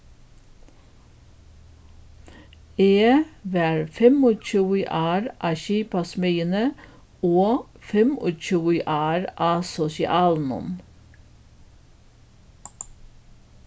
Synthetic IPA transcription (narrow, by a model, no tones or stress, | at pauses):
eːʋæːɹfɛmoːc͡çuːɪʔɑːɾʔɑːçiːpɑsmœːənə | oː | fɛmo̰c͡çuːiʔɑːɹʔɑːsɔsɪ̰ʔɑːlnɔ̰m